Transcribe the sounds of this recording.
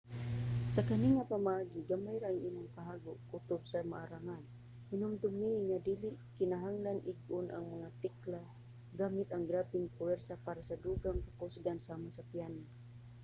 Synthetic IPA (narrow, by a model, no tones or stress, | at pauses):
sakaniŋapamaʔaɡiɡamajɾaaŋʔimʊŋkaɦaɡʊʔut̪ʊbsamaʔaɾaŋan | hinʊmt̪ʊmiŋad̪iliʔkɪnaɦaŋlanʔɪɡ̚ʔʊnʔa̰ŋmaŋat̪ɛkla | ɡamɪt̪aŋɡɾapɪŋpʊwɛɾsapaɾasad̪uɡaŋkakusɡansamasapjana